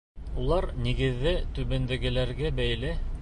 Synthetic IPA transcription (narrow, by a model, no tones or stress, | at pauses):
ulˠɑɾniɡɘ̆ðːɘt̪ʉβɘ̆nd̪ɘ̆ɡɘ̆læɾɡæbæjlɘ